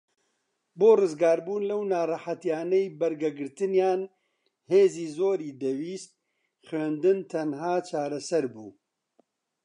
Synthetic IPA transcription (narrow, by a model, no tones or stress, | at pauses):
boːrɨzɡaːɾbuːnlɐwnaːrɐħat̪jaːnɛjbɐɾɡɛɡɨɾt̪ɨnjaːn | heːziːzoːɾiːd̪ɛwiːst̪̚ | xɥeːnd̪ɨnt̪ʰɐnhaːt͡ʃʰaːɾɐsɐɾbṵː